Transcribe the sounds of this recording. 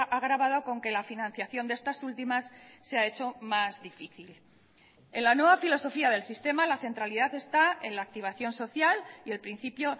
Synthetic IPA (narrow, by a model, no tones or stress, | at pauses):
ʔaɣɾaβað̞o̞ko̞ŋke̞lafinãn̟θjaθjo̞nd̪ee̞st̪asult̪imasːeae̞t͡ʃo̞mazðifiθil | enlanwe̞β̞afilo̞so̞fiað̞e̞lsist̪e̞malaθe̞nt̪ɾaliðaθe̞st̪ae̞̰nlaːk̚t̪iβ̞aθjo̞nso̞θjalie̞lpɾin̟θipjo̞